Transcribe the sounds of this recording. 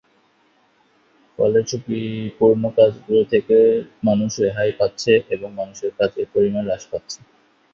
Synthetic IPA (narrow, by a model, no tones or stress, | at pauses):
fɔ̰let͡ɕʰukipuɾnokad͡ʑɡuɾot̪ʰekemanuʃeɦajpatːɕʰeʔeboŋmanuʃeɾkad͡ʑeɾpoɾimanlaʃpat̪ːɕʰe̥